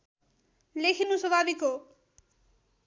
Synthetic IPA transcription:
lekʰinusʌbʱabiko

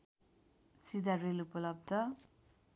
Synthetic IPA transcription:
sid̪aɾelupʌlʌb̚d̪ʌ

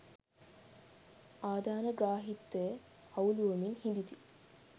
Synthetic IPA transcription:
ʔaːd̪aːnɐɡɾaːɦit̪ːej | hɐwluʋɐmiŋhimb̪it̪i

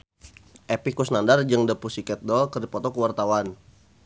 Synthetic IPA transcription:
ʔepikusnandard͡ʒəŋdəpusikɛt̪̚dɔlkərdipɔt̪ɔkəwart̪awan

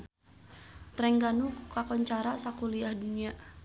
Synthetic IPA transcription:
t̪ɾɛŋɡanukukakɔɲt͡ʃaɾasakuliahdunia

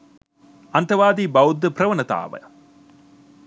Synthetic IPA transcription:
ɐnt̪ɐʋaːd̪iːbɐwd̪ːɐpɾɐʋɐnɐt̪a̰ːʋɐ̰

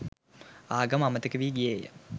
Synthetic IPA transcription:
aːɡɐmamət̪əkəʋiːɡijejə̰

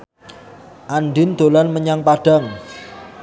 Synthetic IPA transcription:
ʔanɖɪnd̪̥o̤lanməɲaŋpaɖ̥a̤ŋ

